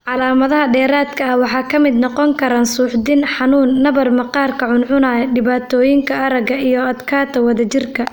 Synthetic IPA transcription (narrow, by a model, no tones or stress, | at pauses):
ʕɑlaːmɐðɐɦɐɖɛːɾaːd̪kʰɐɐhwɑħɑːkʰɐmɪd̪nɔqɔŋkʰɐɾaːnsuːħd̪ɪnħɑnuːnːɐβɐrmɐqɑːrkʰɐʕʊnʕʊnaːjɐɖɪβaːt̪ʰɔːjɪŋkʰɐʔɐɾɐɡɐijɞɐd̪kʰaːt̪ʰɐwɐðɐt͡ʃɪrkʰɐ